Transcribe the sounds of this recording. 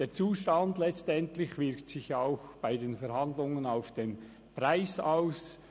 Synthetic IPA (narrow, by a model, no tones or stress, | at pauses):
d̥eːt͡suːʃtandlɛt͡stɛntlɪçvɪɾktsɪxjaʊxb̥aɪdeːnfɛɾhɑndlʊŋənaʊfd̥eːn | pʁaɪsaʊs